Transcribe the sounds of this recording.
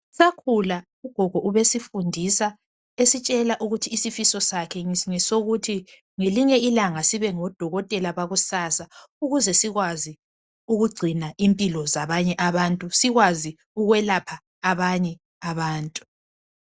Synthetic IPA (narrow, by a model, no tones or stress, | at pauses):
sakʰula | uɡ̥ʱɔɡ̥ʱɔʔuβesifundʱisa | esit͡ʃʼɛlaʔuɣutʰiːsifisɔsakʰɛŋɛsoɣutʰi | ŋeliɲɛilaŋasiβɛŋɔd̥ʱɔɣɔtʼɛlaβaɣusaːsauɣuzɛsiɣwazi | uɣuɡ͡ǀʱinaʔimpʼilɔzaβaɲɛʔaβantʼusiɣwazi | uɣwɛlapʰaː | βaɲɛ | aβaːntʼu̥